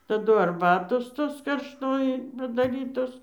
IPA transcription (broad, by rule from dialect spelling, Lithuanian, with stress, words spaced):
tɐˈdʊ ɐrˈbɑːtoːs ˈtoːs kɐrʃˈtoːjɪ pɐdɐˈrʲiːtoːs